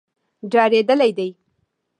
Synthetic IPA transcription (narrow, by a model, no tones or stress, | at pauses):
ɖaɾed̪ɐlɐjd̪ej